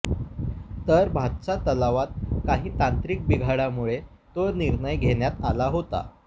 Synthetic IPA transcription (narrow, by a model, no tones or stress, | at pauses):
t̪əɾbʱat̪t͡sat̪əlaʋat̪̚kaɦiːt̪ant̪ɾiːk̚biɡʱaɽamuɭe | t̪oɾniɾɳəjɡʱeɳjat̪alaɦot̪a̰